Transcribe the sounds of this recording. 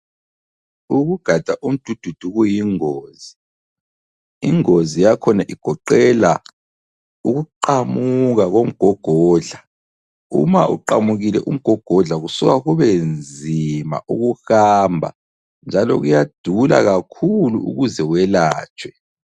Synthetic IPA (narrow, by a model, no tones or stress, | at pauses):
uɣuɡ̥ʱad̥ʱaʔum̩d̥ʱud̥ʱud̥ʱuɣujiŋoːzi | iŋozijakʰɔnaʔiɡ̥ʱɔǃɛla | uɣuǃamuɣaɣom̩ɡ̥ʱɔɡ̥ʱɔːɮa | ṵmaʔṵǃamuɣilɛʔum̩ɡ̥ʱɔɡ̥ʱɔɮaɣusuɣaɣuβend͡zʱima̰ʔuɣuhaːmbʱa̰ | nd͡ʒʱalɔ̰ɣujad̥ʱula̰ɣakʰulṵṵɣuzɛwɛlaːt͡ʃʰʼwɛ